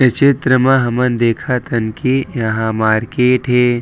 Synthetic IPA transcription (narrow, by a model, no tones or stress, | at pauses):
ɐt͡ʃɪt̪ɾəmãɦɐmənd̪eːkʰat̪ɐnkijɐɦãmaːɾkeːʈɦeː